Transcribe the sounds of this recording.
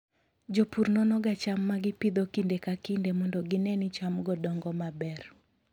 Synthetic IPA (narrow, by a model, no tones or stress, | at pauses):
d͡ʒopuɾnɔnɔɡat͡ʃamːaɡɪpid̪okindekakindemɔndɔɡɪnɛnɪt͡ʃamɡɔdɔŋɡɔmabɛr